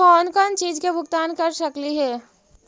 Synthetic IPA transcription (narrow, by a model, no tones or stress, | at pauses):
ɔːnkənt͡ʃiːd͡ʒkebʱʊɡt̪aːnkɐɾsɐkliɦɛː